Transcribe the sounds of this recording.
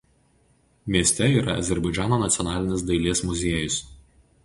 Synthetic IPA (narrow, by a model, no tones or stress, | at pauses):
mʲiɛsʲt̪ʲɛiːɾɐ̰ɐ̰zʲɛɾbɐɪd͡ʒʲæːnoːnɐt̪sʲɔnɑːlʲɪnʲɪs̬d̪ɐɪlʲiɛsmʊzʲeɛjʊs